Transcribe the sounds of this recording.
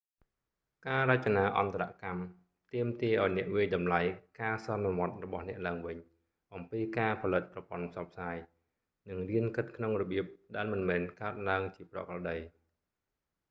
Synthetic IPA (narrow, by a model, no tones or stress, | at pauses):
kaːrac̚t͡ɕanaːlʔɑnt̪ʰaɾa̰ʔkam | t̪iəmt̪iəʔaɔjnɛ̆əʔʋiəjɗɑmlajkaːsɑnːɔʋŏət̪̚rɔɓɑhnɛ̆əʔlaəŋʋɨɲ | ʔɑmpiːkaːpʰɑlɨt̪̚prɑpŏənpʰsɑp̚ʰsaːj | nɨŋriənkɨt̪̚kʰnoŋrɔɓiəp̚ɗaɛlmɨnmɛːnkaət̪̚laəŋt͡ɕiəprɑ̰krɑɗəj